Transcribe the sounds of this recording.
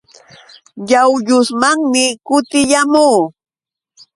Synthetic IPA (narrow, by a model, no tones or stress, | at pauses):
ʎawʎʊsmaŋmɪkʊt̪ɪʎamuː